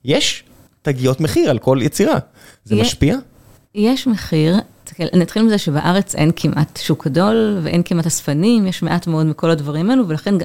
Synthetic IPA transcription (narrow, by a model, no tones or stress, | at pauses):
jeʃ | taɡijotmeχiʁalko̞ljet͡siʁa̰ | zemʃpia | jeʃmeχiʁ | tḁkelʔnat̪χilmizeʃebaʔaʁet͡sʔḛnkʰimʔat̪ʃukɡado̞lveʔenkimatasfanimjeʃmeʔatmeo̞dmiko̞ladvaʁimeluvelaχen